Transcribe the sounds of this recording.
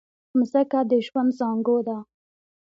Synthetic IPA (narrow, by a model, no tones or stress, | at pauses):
msakad̪əʒwand̪zɑŋɡod̪a